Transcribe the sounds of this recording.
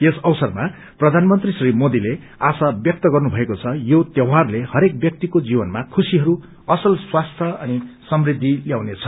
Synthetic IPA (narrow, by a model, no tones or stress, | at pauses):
jesʌwsʌrma | prʌd̪ʱanmʌnt̪risrimod̪ile | asabjʌk̚t̪ʌɡʌrnubʱʌekot͡sʰʌjot̪jʌwɦarlehʌɾek̚bjʌk̚t̪ikod͡zibʌnmakʰusiɦʌɾu | ʌsʌlswast̪ʰjʌʌnisʌmrid̪ʱːiljaw̃net͡sʰʌ̥